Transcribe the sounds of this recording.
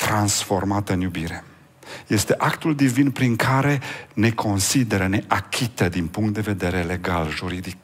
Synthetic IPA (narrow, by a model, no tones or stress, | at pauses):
t̪ɾansfo̞rmat̪ɨnjubiɾe̞ | je̞st̪e̞ʔakt̪uld̪ivinpɾiŋkʰaɾe̞ne̞kʰo̞nsid̪e̞ɾəne̞ʔakʲʰit̪əd̪inpuŋkt̪̚d̪e̞ve̞d̪e̞ɾe̞le̞ɡalʒuɾid̪ik